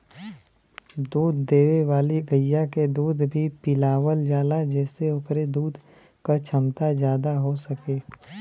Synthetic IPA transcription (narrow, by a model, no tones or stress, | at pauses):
d̪uːd̪ːeːʋeʋaːliɡəjːaked̪uːd̪bʱipɪlaːwəld͡ʒaːlad͡ʒɛːseokɾed̪uːd̪ʱ | kat͡ʃʰɐmt̪azjaːd̪aɦosɐkeː